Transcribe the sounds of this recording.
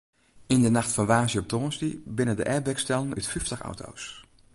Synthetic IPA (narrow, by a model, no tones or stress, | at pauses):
ɪndənɑχtfɑnʋaːzjəɔp̚toːnstibɪnəndə̰ʔɛɹbɛkstɛlˠnytfyftəχɑ̰wto̰ws